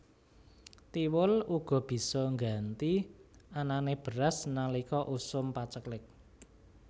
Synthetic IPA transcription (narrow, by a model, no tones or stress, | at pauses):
t̪iwʊluɡ̥ɔ̤b̥i̤sɔŋɡant̪iananeb̥ə̤ɾasnalikɔʔusʊmpat͡ʃəklɪk̚